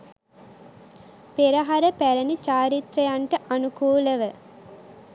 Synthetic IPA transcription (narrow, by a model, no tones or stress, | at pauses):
peɾɐɦaɾəpæɾənit͡ʃaːɾit̪ɾɐjaɳʈəʔanukuːləʋə